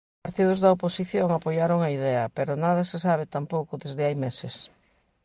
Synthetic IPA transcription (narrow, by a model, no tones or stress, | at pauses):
aɾt̪iðʊzðɐoposiθjoŋapojaɾoŋɐiðɛɐpeɾʊnaðɐsesaβ̞et̪ampowkʊðezðɪajmesɪs